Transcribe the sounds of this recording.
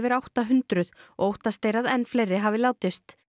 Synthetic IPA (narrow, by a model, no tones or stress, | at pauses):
vɪɾawht̪aɦʏnt̪ɾʏðɔ̰owht̪ast̪ejɾaðɛnːflejɾɪɦavɪljaːwt̪ɪst̪